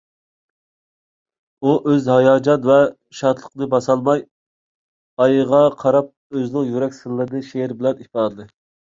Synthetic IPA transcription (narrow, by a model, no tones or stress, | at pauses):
uʔøzhɑjɑːd͡ʒɑnvɛ | ʃɑt̪ʰlˠəqnɨbɑsɑlˠmɑj | ɑjəʁɑqʰɑɾɑp̚ | øznɪŋjyɾɛkʲsɨnːˠɨɾd̪ɨʃeɾbɪlɛnipɑːd̪ɨd̪ˠɨ